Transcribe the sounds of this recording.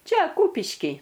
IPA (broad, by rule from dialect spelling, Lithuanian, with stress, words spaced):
ˈt͡ʃʲɛ ˈkuːpʲɪʃʲkʲiː